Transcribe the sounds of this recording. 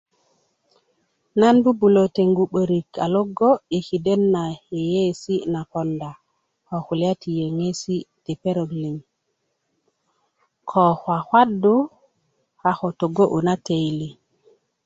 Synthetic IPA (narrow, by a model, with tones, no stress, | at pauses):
na˦nbu˦bu˨lo˨te˨ŋɡu˨ɓə˨ɾi˨kʰa˨lo˦ɡo˦i˨ki˨de˦nːa˨he˨je˦si˦na˨po˨nda˨ | ho˨xu˨li˦a˦ti˨je˨ŋe˦si˦te˨pe˦ɾo˨ɡli˨ŋ | kʰo˨xwa˨xwa˦du˦ | ha˨xo˨to˨ɡo˦ʔu˨na˦te˨jli˨